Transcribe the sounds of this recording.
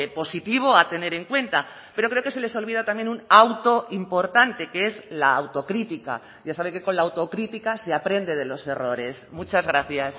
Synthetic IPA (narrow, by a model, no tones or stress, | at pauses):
po̞sit̪iβ̞oat̪e̞ne̞ɾe̞ŋkwe̞nt̪a | pe̞ɾo̞kɾe̞oke̞se̞le̞so̞lβ̞ið̞at̪amje̞nunawt̪o̞ʔimpo̞ɾt̪ant̪e̞kee̞zlaːwt̪o̞kɾit̪ika̰ | ʝasaβ̞eke̞ko̞nlaːwt̪o̞kɾit̪ikaseapɾe̞nd̪e̞ð̞e̞lo̞se̞ro̞ɾe̞smut͡ʃazɣɾaθjas